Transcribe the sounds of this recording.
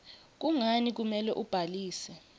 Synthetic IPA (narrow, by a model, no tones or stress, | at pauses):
k̬uŋanik̬umɛlɛʔub̥ʱaliːsɛ